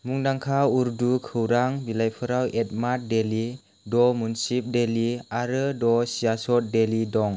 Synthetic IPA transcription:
muŋdaŋkʰauɾdukʰɯwɾaŋbilajpʰɯɾawet̚mat̚deli | dɔmunsip̚deliaɾədɔsiasɔt̚delidɔŋ

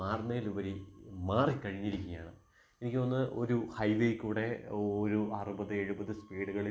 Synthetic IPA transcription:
aːrnejiluʋɐɾimaːrikɐɻiɲːiɾikʲːuɣɐjaːɳɨ | e̞nikʲːɨɐnːɨo̞ɾuhɐjʋejkuːɽe̞oɾuɐrubɐðɨe̞ɻubɐðɨspiːɽɨɣɐɭi

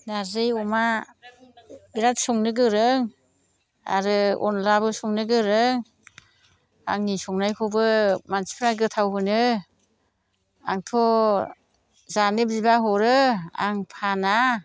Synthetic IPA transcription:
nazɯjɔma | biɾatsɔŋnɯɡɯɾɯŋ | a̰ɾɯɔ̰nlabɯsɔŋnɯɡɯɾɯŋ | aŋnisɔŋnajkʰɔbɯmansi̥pʰɾaɡɯtʰawɦɯnɯ | aŋtʰɔ | zanɯbzibaɦɔɾɯa̰ŋpʰana

